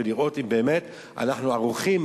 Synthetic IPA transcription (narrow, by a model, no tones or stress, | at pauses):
eliʁo̞t̪imbeːme̞t̪ | a̰naħnuaʁuχim